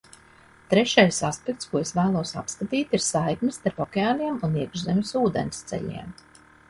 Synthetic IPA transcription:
t̪ɾɛʃajsaspɛk̚t̪skuɔesvæːlˠuɔsa̰pskat̪iːt̪iɾsajkmʲɪst̪aɾpɔkʲeaːniɛmuniɛɡʒzemʲɪsuːd̪ḛnst̪sɛ̰ʎḭɛm

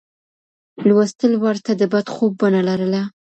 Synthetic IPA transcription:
lwast̪əlwaɾt̪ad̪əbad̪xob̚ːanalaɾəla

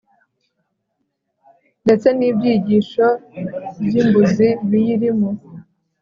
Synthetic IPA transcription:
nde̞t͡se̞niːbjiːɟiːʃo̞bjimbuziβijiɾimo

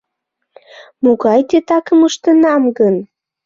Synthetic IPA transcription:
muɣɑjt̪et̪ɑkəməʃt̪ənɑmɡən

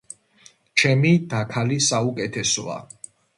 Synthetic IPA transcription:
t͡ʃʰɛmid̪akʰalisaukʼɛt̪ʰɛsɔ̰a̰

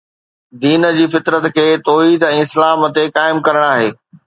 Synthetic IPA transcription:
d̪iːnə̆d͡ʑiːfɪt̪ɾət̪kʰeːt̪ɔːɦiːd̪ɛ̃ːɪslaːmə̆t̪ekaːɪmkɐɾəɽ̃aːɦeː

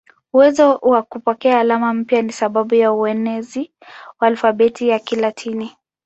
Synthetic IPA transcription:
uwɛzɔwakupɔkɛaːlamam̩pjanisaɓaɓujauɛnɛzi | waaːlfaɓɛtijakilatʰini

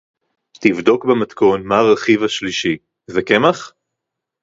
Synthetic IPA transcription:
t̪ivdo̞kbemat̪ko̞nmaʁaχivaʃliʃi | zakemaχ

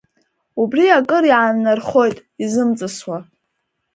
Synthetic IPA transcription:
ubriakʼɨɾiʕanːarχo̞jtʼizɨmt͡sʼɨswa

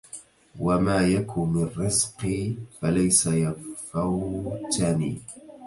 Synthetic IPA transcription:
wamaːjakʰʊmɪnrːɪzqifalajsajafat̪aniː

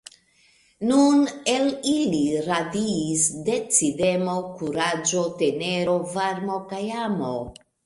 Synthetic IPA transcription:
nune̞liliɾadiːsde̞t͡side̞mokuɾad͡ʒo̞te̞neɾo̞vaɾmo̞kajamo

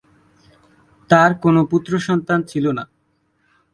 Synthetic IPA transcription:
t̪aɾkonoput̪ːɾoʃɔnt̪ant͡ɕʰilona

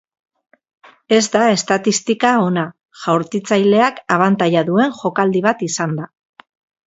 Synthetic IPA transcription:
e̞zd̪ae̞st̪at̪ist̪ikao̞na | ʝawɾt͡sit͡sajle̞akaβ̞ant̪ajaðue̞ŋʝo̞kald̪iβ̞at̪isand̪a

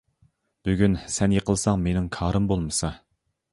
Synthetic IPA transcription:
b̥yɡʲynsɛnjeqəlˠsɑŋmenɪŋkʰɑːɾɨmbolˠmɨsɑ

